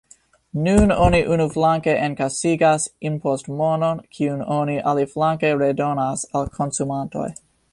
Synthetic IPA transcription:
nunoniʔunuflaŋkeʔenkasiɡasinpʰostmononkʰiuno̞niʔaliflaŋke̞ɾedo̞nasalkʰo̞nsumanto̞̰j

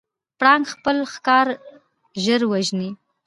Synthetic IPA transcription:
pɽɑŋɡxpəlxkɑɾ | ʒəɾwaʒni

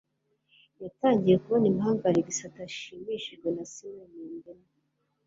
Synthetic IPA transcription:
jataːɲɟije̞kuβonimhaːŋɡaɾiɡisataʃiːmiʃiʒɡwenasiwemiːndeme

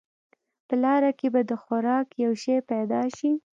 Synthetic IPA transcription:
pəlɑɾakebad̪əxʊɾɑkjawʃejpad̪ɑʃi

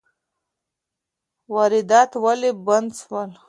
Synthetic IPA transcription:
waɾɪd̪ɑt̪waleband̪swəl

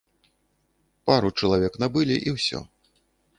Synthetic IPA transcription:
paɾut͡ʂɐlˠavʲɛknabɨlʲiʔiwsʲɔ̰

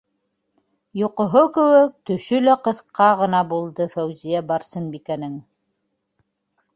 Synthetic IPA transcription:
joqŏɦokɘ̆wɘk̚t̪ɵ̆ʃɵlæqɤ̆θqɑʁɤ̆nɑbulˠd̪ɤfæwzijæbɑɾsɤnbikænɘŋ

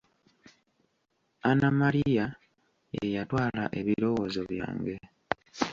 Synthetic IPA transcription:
anamaɾija | ḛjatwaːla̰ʔe̞βiɾo̞wozoβja̰ːŋɡe̞

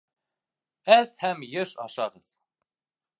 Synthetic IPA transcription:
æðhæmjɤʃɑ̰ʃɑʁɤð

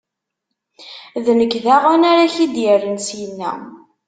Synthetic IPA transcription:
ðnəkðaʁænaɾaçid̪jərːənsjənːæ̰

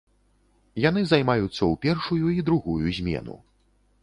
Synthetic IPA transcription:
janɨzajmajut̪sːɐwpʲɛrʂujuid̪ɾuɣujuzʲmʲɛ̰nṵ

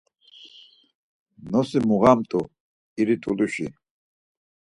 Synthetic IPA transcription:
nɔsimuɣamt̪ʼu | iɾit̪ʼuluʃi

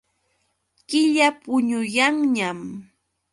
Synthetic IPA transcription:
kɪʎapʊɲʊjaŋɲam

